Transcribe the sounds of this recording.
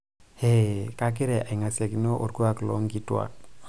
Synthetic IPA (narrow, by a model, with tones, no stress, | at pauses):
he˦ka˦k̬ɪ˦ɾɛ˨ʔa˨i˨ŋa˨sja˨ki˨no˦ʔo˨ɾɡo˦a˨klɔ̰˦ŋɡi˦twa̰˨